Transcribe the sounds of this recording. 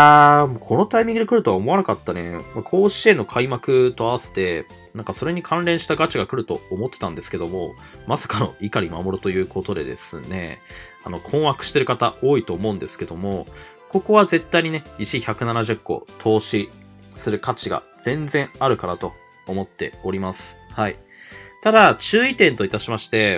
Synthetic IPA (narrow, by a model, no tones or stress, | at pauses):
aːmokʰo̞no̞t̪aimʲĩŋɡɯd̪ekɯ̟ɾɯt̪oaomo̞anakat̪ːane̞makʰo̞ːɕie̞nːo̞kʰaimakɯ̟t̪o̞aβase̞̥t̪e̞ | nãŋkaso̞ɾe̞ɲ̟ikʰãnɾẽ̞ɰ̃ɕi̥t̪aɡat͡ɕiɡakɯ̟ɾɯ̟t̪o̞ːmo̞t̪ːet̪ãnd̪e̞sɨ̥ke̞d̪o̞mo̞̰ | masḁkano̞̰ikaɾʲimamoɾot̪o̞jɯːkʰo̞t̪o̞d̪e̞̰d̪e̞̰sɨne̞̰ | ano̞kʰõɰ̃wakɯ̟̥ɕi̥t̪e̞ɾɯ̟kat̪ao̞ːit̪o̞ːmo̞ɯ̟̃nd̪e̞sɨ̥ke̞d̪o̞mo̞ | ko̞ko̞βaze̞t̪ːaiɲine̞it͡ɕiçakɯ̟nanaʑɯkːo̞̰t̪ʰo̞ːɕi | sɨɾɯ̟kat͡ɕiɡa̰ | z̥ẽ̞nd͡zẽ̞ɰ̃aɾɯ̟kanat̪o̞ː | mo̞t̪ːe̞̰o̞ɾʲimasɨ̥hai | t̪ad̪at͡ɕɨːit̪ẽ̞nt̪o̞it̪aɕimaɕi̥t̪e̞